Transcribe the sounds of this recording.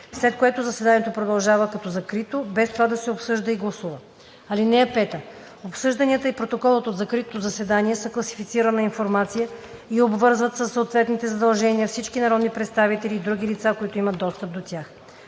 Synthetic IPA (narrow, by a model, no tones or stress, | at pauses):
slɛt̪koɛt̪ʊzɐsɛd̪aniɛt̪opɾod̪ɐlˠʒavəkɐt̪ɔzɐkɾit̪obɛst̪ovad̪ɐsɛopsɤʒd̪əiɡlˠɐsuvə | ɐlinɛɛpɛt̪ə | opsɤʒd̪ɐnʲiət̪əipɾot̪okɔlˠət̪od̪zɐkɾit̪ozɐsɛd̪aniɛsəklˠɐsi̥fit̪siɾənɐinfoɾmat̪sijə | iɛobvɤɾzvət̪səsːot̪vɛt̪nit̪ɛzɐd̪ɐlˠʒɛniəfsit͡ʃkinɐɾɔd̪nipɾɛt̪st̪avit̪ɛliːd̪ɾuɡ̟ilit̪sakoit̪oimət̪ːɔst̪əp̚d̪ot̪ʲjax